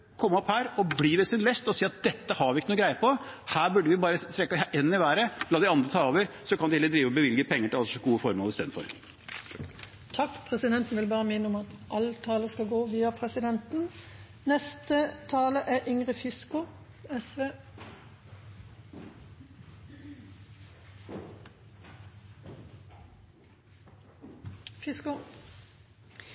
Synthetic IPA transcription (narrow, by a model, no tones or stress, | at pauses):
kʰɔmːɔphæːɾɔbliːʋɛsɪnlɛst̪ɔsiːɑt̪̚d̪ɛt̪ːəhɑɾʋɪɪkːənuːɡɾæɪəpʰɔhæːbʉɖːəʋɪbɑːɾət̪ʰɾɛkːəʔɛnːɪʋæːɾəlɑːd̪ɪɑnd̪ɾət̪ʰɑːoːʋəɾsɔkʰɑnd̪ɪhɛlːəd̪ɾiːʋəɔbəʋɪlɡəpʰɛŋːəʈɪlɑlssɔɡuːəfɔɾmoːəɪst̪eːd̪fɔ̰ɾ | t̪ʰɑkːpʰɾɛsɪd̪ɛnt̪n̩ʋɪlbɑːɾəmɪnːəɔmɑt̪ʔɑlt̪ʰɑːləskɑɡoːʋiːɑpʰɾɛsɪd̪ɛnt̪n̩ | nɛst̪ət̪ʰɑːləʔæʔɪŋʁɪfɪskʊ | ɛsʋeː | fɪskʊ